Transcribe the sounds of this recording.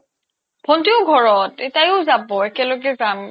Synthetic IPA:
b̥ʰʱɔntiʊɡʱɔɹɔtɛtajʊzabɔekɛloɡɛzam

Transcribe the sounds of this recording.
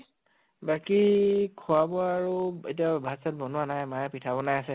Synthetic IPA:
bakikʰʊabɔːɹuḛtiabʱasat̚bɔnuanajmajɛpitʰabɔnajasɛ

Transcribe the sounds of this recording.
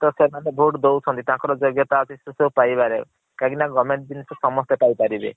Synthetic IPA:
t̪ɔsemanebʱuʈd̪owt͡ʃʰɔnt̪it̪ãkɔɾɔd͡ʒɔɡjɔt̪aɔsʰisesewpajbaɾe | kaɡinaɡɔmeɳʈ̚d̪inisɔsɔmɔst̪epajpaɾibḛ

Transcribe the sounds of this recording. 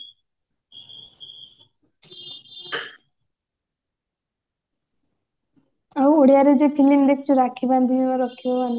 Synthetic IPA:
awoɽijaɾed͡ʒepʰilimɾek̚t͡ʃuɾakʰːiband̪ʱiunaɾɔkʰːibaban

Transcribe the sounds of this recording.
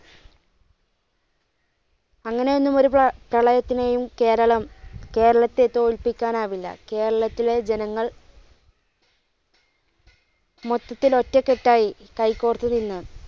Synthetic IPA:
ɐŋːɐne̞jo̞nːumo̞ɾuprɐɭɐjɐt̪ːine̞jumke̞ːɾɐɭɐmke̞ːɾɐɭɐt̪ːe̞t̪oːɭpikʲːaːnaːʋilːɐ̰ke̞ːɾɐɭɐt̪ːile̞d͡ʑe̞nɐŋːɐɭ | mot̪ːɐt̪ːilo̞tːɐke̞ʈːaːjikɐjkːoːrt̪ːɨninːɨ

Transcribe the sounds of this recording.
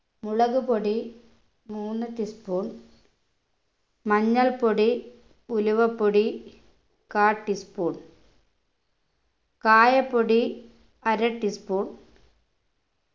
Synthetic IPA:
muɭɐɣupoɽi | muːnːɨt̪ispuːɳ | mɐɲːɐlpoɽi | uluʋɐpːoɽi | kaːʈːispoːɳ | kaːjɐpːoɽi | ɐɾɐʈːispoːɳ

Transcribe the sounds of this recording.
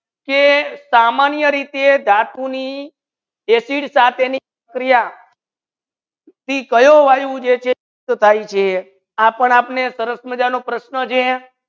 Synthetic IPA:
kesamanjəɾit̪ed̪at̪uni | ɦesiɽsat̪ʰenipəkɾija | t̪ikəjoʋajũd͡ʒet͡ʃʰe | t̪t̪ʰajt͡ʃʰe | apəɳapnesəɾəsməd͡ʒanopɾəʃnət͡ʃʰe

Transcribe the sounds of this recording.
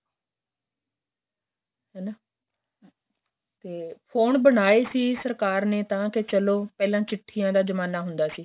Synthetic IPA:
ɦɛːnaː | t̪eːpʰoːnbəɽaːeːsiːsəɾkaːɾneːt̪ãːkɪt͡ʃəloːpɛːlãːt͡ʃɪʈʰːiːjãːd̪aːzəmaːnaːɦʊnd̪aːsiː

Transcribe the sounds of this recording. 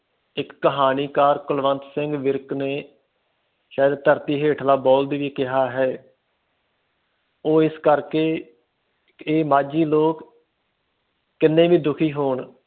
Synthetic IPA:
ɪkːəɦaːniːkaːɾkʊlʋənt̪sɪŋɡʋɪɾkneː | ʃaːəd̪̚t̪əɾt̪iːɦeːʈʰlaːbɔːld̪iːʋiːkɪɦaːɦɛː | oːɪskəɾkeː | eːmaːd͡ʒiːloːk | ɪnːẽːʋiːd̪ʊkʰiːɦoːɳ

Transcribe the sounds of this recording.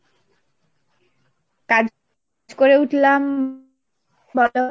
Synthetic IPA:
kad͡ʑ | d͡ʑkoɾeuʈlam | bɔlo

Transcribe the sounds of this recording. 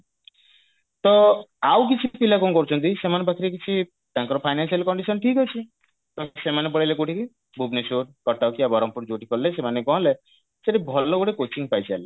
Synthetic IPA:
t̪ɔawk̬it͡ʃʰipilakɔnkɔɾut͡ʃʰɔnt̪isemanebakʰiɾek̬it͡ʃʰi | t̪ãŋkɔɾɔpʰajnansialkɔɳɖisɔnʈʰikɦɔt͡ʃʰi | t̪ɔ̃semanep̬ɔɽilekuʈʰiki | bʱubnisuɾkɔʈːawkiabɔɾɔmpuɾd͡ʒoʈikɔɾlesemanekɔɦɔ̃le | seʈibʱɔlɔɡuɽekot͡ʃiŋpajt͡ʃʰale

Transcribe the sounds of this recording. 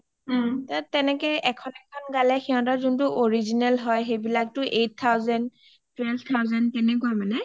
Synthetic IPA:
tatɛnɛkɛɛkʰɔnɛkʰɔnɡalɛxiɦɔ̃tazuntʊʔoɹizinɛlɦɔjxejbilak̚tʊʔejt̚t̪ʰːawzɛnd | twɛlbt̪ʰawzɛntɛnɛk̬uamanɛ

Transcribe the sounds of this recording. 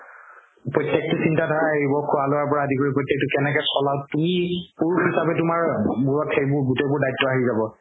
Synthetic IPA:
pɹɔtːjek̚tʊsintadʱɔɹaeɦibɔkʰualowaɹpɔɹaəzikoɹipɹɔjtjek̚tʊkɛnɛkɛsɔlaʊtumipuɹuisabɛtʊmaɹmuɹɔtʰejbʊɹɡutebʊɹdajtːɔaɦizabɔ

